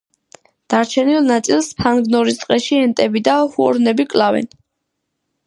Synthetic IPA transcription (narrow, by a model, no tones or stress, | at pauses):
d̪̥aɾt͡ʃʰɛnilˠnat̪sʼilˠspʰanɡnɔɾist̪ʼqʼɛʃiɛnt̪ʼɛbid̪ahuɔɾnɛbikʼlavɛ̰n